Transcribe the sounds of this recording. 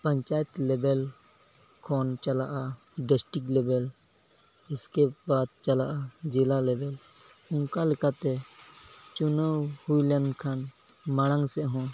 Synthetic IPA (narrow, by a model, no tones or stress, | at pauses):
pəɲt͡ʃaɛt̪lɛbɛl | kʰɔnt͡ʃalaʔa | ɖɛsʈiklɛbɛl | iskɛbad̪̚t͡ʃalaʔad͡ʒɛlalɛbɛl | ʊŋkalɛkat̪ɛ | t͡ʃunəwhujlɛnkʰanmaɽ̃ãŋsɛʔɦɔ̃